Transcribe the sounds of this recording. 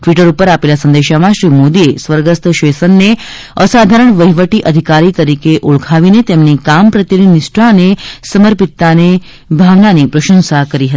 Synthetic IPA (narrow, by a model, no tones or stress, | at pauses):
ʈʋiʈəɾupəɾapelasə̃nd̪eʃamãʃɾimod̪iesʋəɾɡəst̪ʰʃesənːe | əsad̪ʱaɾəɳʋəɦiʋəʈiʔəd̪ʱikaɾit̪əɾikeʔuɭkʰaʋinet̪emnikampɾət̪jəninɪsʈanesəməɾpit̪ːane | bʱaʋnanipɾəʃə̃nsakəɾiɦət̪ii